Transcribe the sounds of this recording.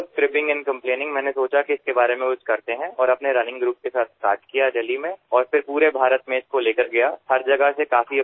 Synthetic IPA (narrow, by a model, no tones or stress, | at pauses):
kɾɪpɪ̃ŋɡɛ̃nkɐ̃mpleːnɪ̃ŋɡmɛ̃ːnesoːt͡ʃakiɪskebaːɾemẽkʊt͡ʃʰkɐɾt̪eɦɛ̃ʔɔːɾɐpneɾɐnɪ̃ŋɡɾuːp̚kesaːt̪ʰkaːɾʈkijaɖɐlimẽɔːɾfɪɾpuːɾebʱaːɾət̪mẽɪskoleːkəɾɡɐjahɐɾd͡ʒɐɡəɦsekaːfi